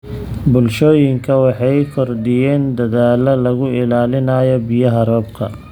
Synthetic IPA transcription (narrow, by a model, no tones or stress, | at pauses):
bʊlʃɔːjɪŋkʰɐwɑħɑjkʰɔrd̪ɪjɛːnd̪ɐðaːlɐlɐɣʊɪlaːlɪnɐjɔbɪjɐɦɐɾɔːbkʰɐ̰